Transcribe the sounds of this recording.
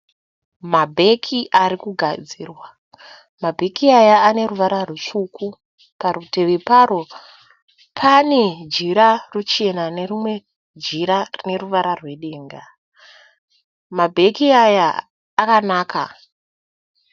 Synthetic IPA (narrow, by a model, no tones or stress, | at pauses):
mabʱe̞kʰiʔaɾikuɡʱad͡ziːrwa | mabʱe̞kiajaːne̞ruʋaɾarut͡ʂuku | parute̞ʋeparo | pʰaned͡ʒiɾarut͡ʃe̞nane̞rumwe̞ | d͡ʒiɾarine̞ruʋaɾarwe̞ɗiːŋɡa | mabʱe̞kiajaː | kanaːka̰